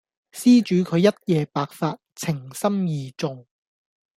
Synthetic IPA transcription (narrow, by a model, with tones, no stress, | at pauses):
siː˥t͡ʃyː˨˧kʰɵ˨˧ɥjɐ˥t̚jɛː˧paː˧k̚faː˧t̚t͡sʰɪ˨˩ŋsɐ˥mjiː˨t͡sʊ˨˧ŋ